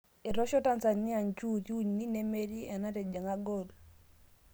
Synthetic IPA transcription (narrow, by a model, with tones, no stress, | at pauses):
i˨ɾo˦ʃɔ˦ta˦nsa˨nːi˦a˨nt͡ʃu˦tuɲni˦ne˦me˦ɾi˦ʔa˨na˦te˨d͡ʒa˨ŋa˦ɡol